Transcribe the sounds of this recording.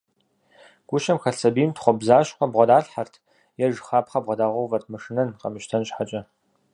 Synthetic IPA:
ɡ̥ʷʊʃɐmxɐsɐbiːmtχʷɔbzaːʃqʷɔbʁʷɔdaːɬħartʰ | jɛʒxaːpχɐbʁʷɐdaːʁʷɔwvɐrtʰmɨʂɨnɐnqɐ̰mɨʃtʰɐnɕħat͡ʃʼɐ

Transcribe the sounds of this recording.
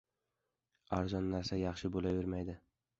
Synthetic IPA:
aɾzɒnːaɾsajɑχʃɪbolavɪɾmajd̪ɪ

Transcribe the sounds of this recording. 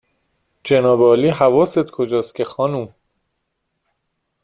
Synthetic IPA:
d͡ʒenɒːbeɒːliːɦævɒːset̪kʰod͡ʒɒːst̪̚cʰexɒːnum

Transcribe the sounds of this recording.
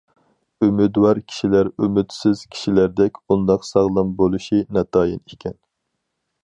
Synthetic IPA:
ymyd̪wɑɾkʲʰi̥ʃilæɾymyt̪sɪz̥kʲʰi̥ʃilæɾd̪ɛkʲbund̪ɑqsɑʁlˠɨmbolˠuʃinɛt̪ʰɑːjinikʲʰɛn

